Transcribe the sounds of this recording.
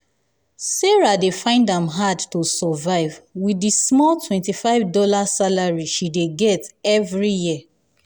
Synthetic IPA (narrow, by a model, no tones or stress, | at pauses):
sɛɹadefãɪ̃ndãmɦadtusɔvaɪvwidismɔltʰwɛ̃ntifaɪvdɔlasalaɹiʃideɡɛtɛvɹijiə